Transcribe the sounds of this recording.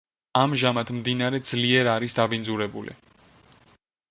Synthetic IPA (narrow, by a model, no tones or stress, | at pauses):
amʒamat̪ʰmd̪inaɾɛd̪zliɛɾaɾisd̪abindzuɾɛbṵlḭ